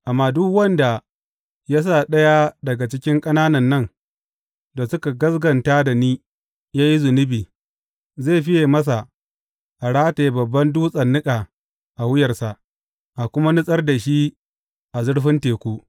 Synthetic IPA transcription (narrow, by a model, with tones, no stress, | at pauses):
ʔa˨mːaː˦dʊ˦kwɐ˦nda˨ | ja˦s̬aː˦˨ɗɐ˦ja˦dɐ˨ɡa˨t͡ʃɪ˦kʲɪ˦ŋkʼɐ˦naː˦nɐ˨nːɐ˦ŋ | da˨sʊ˦ka˨ɡɐ˦sɡɐ˨ntaː˦da˨niː˦ | jaː˦ji˦zʊ˨nɪ˦biː˨ | zeː˦˨ɸɪ˦jeː˨mɐ˦s̬a˨ | ʔa˨ɽaː˦teː˨bɐ˨bːɐ˦nduː˦sʼɐ˨nːɪ˦kʼa˨ | ʔa˨wʊ˦jɐ˨rsa˨ʔ | ʔa˨kʷʊ˦ma˦nɪ˦sʼɐ˦rda˨ʃi˦ | ʔa˨zʊ˦ɽɸɪ˦nteː˨kʷuː˦